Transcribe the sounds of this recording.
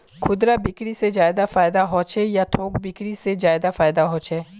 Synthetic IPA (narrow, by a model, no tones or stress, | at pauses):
kʰʊd̪ɾabɪkɽised͡ʒaːjɪd̪afaːɪd̪aɦɔːt͡ʃejat̪ʰoːkbɪkɽised͡ʒaːɪd̪afaːɪd̪aɦoːt͡ʃeː